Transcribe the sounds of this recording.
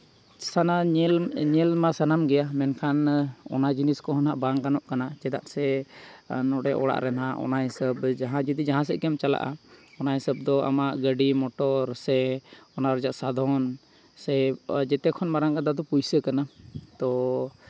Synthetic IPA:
sanalɲɛlmasanamɡɛjamɛnkʰanɔ̰nad͡ʒiniskɔɦanaʔbaŋkanɔʔkanad͡ʒɛd̪a̰ʔsɛ | nɔɽɛʔɔɽa̰ʔɾɛnaʔɔ̰naɦɛsəbd͡ʒaɦãd͡ʒid̪id͡ʒaɦãs̬ɛʔkɛmt͡ʃala̰ʔaɔnaɦɛsəb̚d̪ɔa̰maʔɡəɖimɔʈɔɾsɛɔnaɾɔd͡ʒaʔsad̪ʱɔn | sɛd͡ʒɛt̪ɛkʰɔnmaɾaŋkad̪ad̪ɔpujsəkanat̪ɔ

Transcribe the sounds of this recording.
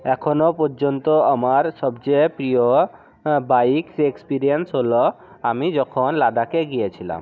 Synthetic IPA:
ɛkʰonopɔɾd͡ʑont̪oamaɾʃɔbt͡ɕepɾijo | bajksekspiɾiensɦolo | amid͡ʑɔkʰonlad̪akeɡijet͡ɕʰila̰m

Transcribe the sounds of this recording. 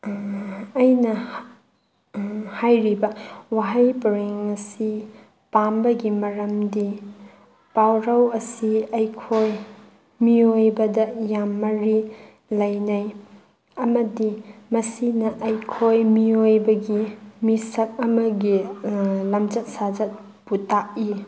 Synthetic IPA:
jnɐ | hajɾibɐwaɦajpɐɾeŋɐsi | pambɐɡimɐɾɐmdi | pawɾɐwɐsiɐjkʰoj | miojbɐdɐjamːɐɾi | lɐjnaj | ɐmɐdimɐsinɐʔɐjkʰojmiojbɐɡimisɐk̚ɐmɐɡi | lɐmd͡ʒɐt̚sad͡ʒɐt̚ | butak̚i

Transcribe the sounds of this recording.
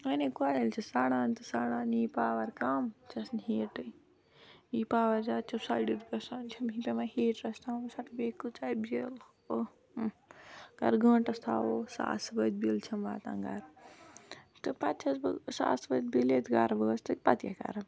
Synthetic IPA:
ɐnekuaːjilt͡ʃʰɐsaːɽaːnt̪ɨsaːɽaːniːpaːʋɐɾkaːmt͡ʃʰɐsnɦeːʈɨ | iːpaːʋɐɾd͡ʒaːt͡ʃʰɐsaːjɖiɾpɐsant͡ʃʰɐmɦipʲemaheːʈɾɐst̪ʰaːmosaʈbeːkːɨt͡ʃaːibel | o | kɐ̰ɾɡə̃ːɳʈɐst̪ʰaːosa̰ːsbɐd͡ʒbilt͡ʃʰɐmʋaːt̪ã̰ːŋɡaɾ | t̪ɨpɐt̪̚t͡ʃʰɐsbɨ̰sa̰ːsbɐd͡ʒ̪bilet̪ɡaːɾbəːst̪ɨk̚ʲpɐt̪ja̰ka̰ɾɐm

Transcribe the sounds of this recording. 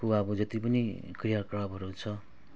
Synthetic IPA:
kuaʌbʌd͡zʌt̪ipʌnikriɦakɭʌbʱʌɾut͡sʰʌ

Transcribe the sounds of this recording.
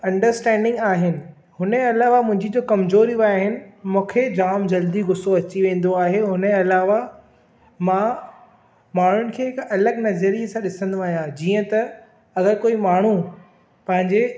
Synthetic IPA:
ɐ̃ɳɖəɾsʈɛ̃ːɳɖɪ̃ŋɡaːɦɪnɪ̆ | ɦʊnɐlaːʋamʊ̃ɦɪ̃ɲd͡ʑid͡ʑoːkɐmzoːɾiaːɦɪnɪ̆mũːkʰed͡ʑaːmd͡ʑɐld̪iɡʊsoɐt͡ɕiʋẽːn̆d̪oaːɦeɦʊnəɐlaːʋa | mãː | maːɳ̤ʊnɪ̆kʰeːɦɪkɐləɡnɐzəɾijəsãɗɪsə̃nd̪aːɦijãd͡ʑiːə̃t̪ɐ | ɐɣəɾkoːimaːɳ̤u | pɐ̃ɦɪ̃ɲd͡ʑe

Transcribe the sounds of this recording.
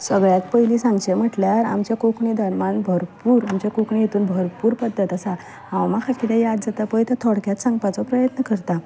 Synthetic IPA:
səɡɭjat̪pəjlisãŋɡt͡ɕem̤əʈljaɾa̰mt͡ɕakokɳid̪ənmanbʱəɾpuːɾamt͡ɕjakokɳĩjet̪uːnbʱəɾpuːɾpəd̪ʱːət̪əsa | ãwmakʰakit̪ɛ̃jad̪̚d͡zat̪apəjt̪at̪ʰɔɽkjat̪sãŋɡpat͡sɔpɾəjət̪nəkəɾt̪a

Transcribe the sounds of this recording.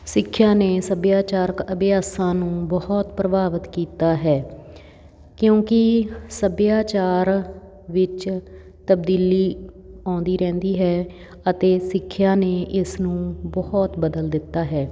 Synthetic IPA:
sɪkʰːjaːneːsəbjaːt͡ʃaːɾəkəbɪjaːsãːnũːbɔhɔt̪pɾəbaːʋət̪kiːt̪aːɦɛː | kjõːkɪsəbjaːt͡ʃaːɾ | ʋɪt͡ʃ | t̪əbd̪iːliː | ɔ̃ːnd̪iːɾɛ̃ːnd̪iːɦɛː | ət̪eːsɪkʰːjãːneːʔɪsnũːbɔɦɔt̪bəd̪əld̪ɪt̪ːaːɦɛː

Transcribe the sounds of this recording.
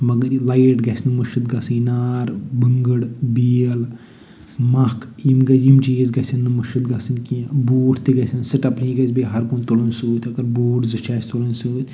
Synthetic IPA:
mɐɡɐɾilajʈɡɐsʲnɨmɐʃɨt̪ɡɐsɨjnaːɾbɨŋɡəɽbiɐl | mɐkʰjimɡɐjimt͡ʃiːzɡɐsʲɐnːɨmɐʃɨt̪ɡɐsɨnkĩboːʈʰt̪iɡɐsʲɐnsɨʈɐpɾĩɡɐsbeɦɐɾkunt̪olɐnsuːt̪ʰʲɐɡɐɾboːʈzɨt͡ʃʰaːsʲt̪olɐnsuːt̪ʰʲ

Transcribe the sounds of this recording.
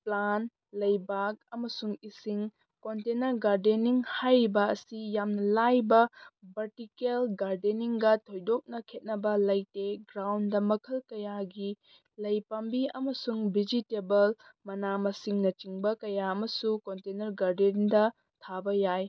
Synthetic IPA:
plan | lɐjbak̚ɐmɐsuŋisiŋ | kontenɐɾɡaɾdeniŋhajɾbɐːsijamnɐlajbɐbɐɾtikelɡaɾdeniŋɡɐtʰojdok̚nɐkʰet̚nɐbɐlɐjteɡɾawndɐmɐkʰɐlkɐjaɡi | lɐjpambiɐmɐsuŋbʱid͡ʒitebɐlmɐnamɐsiŋnɐt͡ʃiŋbɐkɐjaɐmɐsukontenɐɾɡaɾdeniŋdɐ | tʰabɐjaj

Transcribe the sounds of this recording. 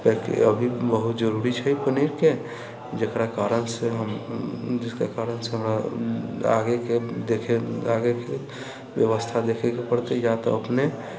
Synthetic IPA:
pɛkḛəbʱibəɦut̪d͡ʒəɾuɾit͡ʃʰəipəniɾke | d͡ʒəkɾakaɾənseɦəmd͡ʒɪskakaɾənseɦəmɾa | a̰ɡeked̪ekʰeaɡeke | bjəʋəst̪ʰad̪ekʰekepəɽt̪ejat̪ɔəpne

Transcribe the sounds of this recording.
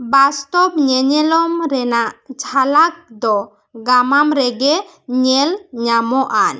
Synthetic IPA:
bast̪ɔpɲɛɲɛlɔmɾɛnaʔd͡ʒʱalak̚d̪ɔ | ɡamamɾɛɡɛ | ɲɛlɲamɔʔan

